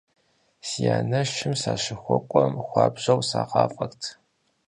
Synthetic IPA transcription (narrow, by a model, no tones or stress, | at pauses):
sijaːnɐʃɪmsaːʃɪxʷɔkʷʼɔmxʷɑːbʑɐwsaːqɑːfʼɐktʰ